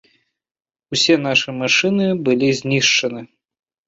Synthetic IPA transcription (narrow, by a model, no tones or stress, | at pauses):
usʲɛn̪aʂɨmaʂɨnɨbɨlʲizʲnʲiʂt͡ʂɐnɨ